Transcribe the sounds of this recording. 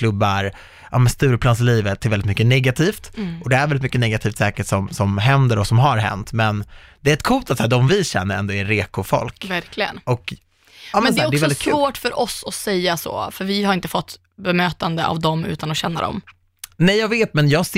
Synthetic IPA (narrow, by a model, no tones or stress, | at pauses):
kʰlɵbːaɾ | ʔɑ̰mɛnst̪ʉ̟ːɾəpʰlɑːns̬ɪliːvət̪ʰːɪɾvɛlɪt̪mʏkːənɛɡat̪ʰiːft̪ʔɔd̪ɛæɾɛlɪt̪mʏkːənɛɡat̪ʰiːft̪sɛːkəʈsɔmsɔmɦɛnd̪əɾɔsɔmɦaɾɦɛ̰nt̪mɛnd̪̥ɛːɾɛt̪̚kʰuːlt̪at̪sæːd̪ɔmvɪɕɛ̰nːəɾɛ̰nd̪oːæɾeːkʊfɔ̰lkvæɾklɪɡə̰nʔɔk | ɑːmɛnsɛæːɔɖɛsvɛlɔɪskʰʉvoːʈfœɾʔɔsɔsɛjːaso̰ːfœɾvɪhaɾɪnt̪əfɔt̪ː | bɛmøːt̪and̪əʔa̰vd̪ɔmʉ̟̰ːt̪anɔɕɛnːa̰d̪ɔ̰m | nɛjɑːɡveːt̪mɛnjɑːɡs